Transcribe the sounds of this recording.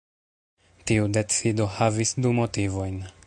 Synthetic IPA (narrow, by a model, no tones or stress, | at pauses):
tiude̞t͡sido̞havisdumo̞tivo̞jn